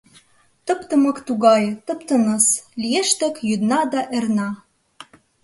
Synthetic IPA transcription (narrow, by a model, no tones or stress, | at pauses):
t̪ɤ̆pt̪ɤ̆mɤ̆kt̪uɣɑjt̪ɤ̆pt̪ə̆nɤ̆slijeʃt̪ə̆kjyd̪nɑd̪ɑʔernɑ